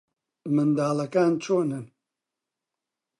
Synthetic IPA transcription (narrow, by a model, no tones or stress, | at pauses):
mɨnd̪aːlɐkaːnt͡ʃʰoːnɨn